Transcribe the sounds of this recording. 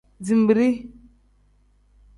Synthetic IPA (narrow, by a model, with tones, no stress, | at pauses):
d͡zi˨m˨bi˨ɾi˦